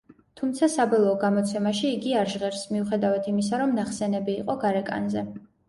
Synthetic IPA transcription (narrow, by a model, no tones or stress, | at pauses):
t̪ʰumt̪sʰasabɔlˠɔːɡamɔt̪sʰɛmaʃiːɡiaɾʒʁɛɾsmiuχɛd̪avat̪ʰimis̬aɾɔmnaχsɛnɛbiːqʼɔɡaɾɛkʼa̰nzɛ